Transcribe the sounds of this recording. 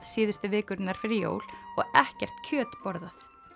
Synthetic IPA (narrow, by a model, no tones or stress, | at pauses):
ðsiːðʏst̪ʏvɪːkʏɾt̪naɾ̥fɪɾɪɾjo̰ːwlɔɣɛhcɛr̥t̪cʰœːt̪pɔɾðaθ